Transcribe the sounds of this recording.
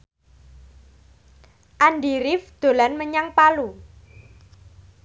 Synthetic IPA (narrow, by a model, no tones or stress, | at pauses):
ʔanɖiɾɪfd̪̥o̤lanməɲaŋpalu